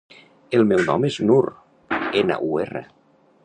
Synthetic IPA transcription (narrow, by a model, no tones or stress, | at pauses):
elˠmɛwnɔ̰meznuɾ | ena̰ʔuḛrḛ